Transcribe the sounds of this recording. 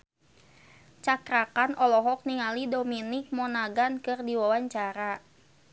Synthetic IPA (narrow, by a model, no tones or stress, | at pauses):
t͡ʃakɾakanɔlɔɦɔk̚niŋalidominik̚mɔnaɡankɨrdiwawaɲt͡ʃaɾa